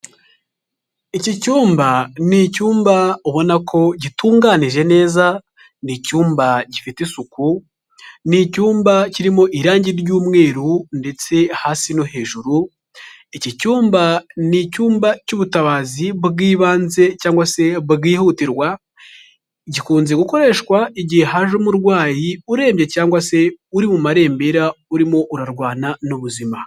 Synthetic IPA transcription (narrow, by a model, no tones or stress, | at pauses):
icicuːmbanicuːmbaoβo̞nakʰo̞ɟituːŋɡaːniʒe̞ne̞ːza | nicuːmbaɟifitisuku | nicuːmbaciɾimo̞ʔiɾaːɲɟiɾjuːmŋe̞ːɾunde̞t͡se̞haːsino̞he̞ːʒuɾu | icicuːmbanicuːmbacuβutaβaːziβɡiːβaːnze̞caːŋɡwase̞βɡiːhutiɾwa | iɟikuːnzeɡuko̞ɾe̞ːʃkwaiɟiheɦaʒomuɾɡwaːjiuɾe̞ːmbje̞caːŋɡwase̞uɾimumaɾe̞ːmbeɾauɾimo̞ʔuɾaɾɡwaːnanuβuzima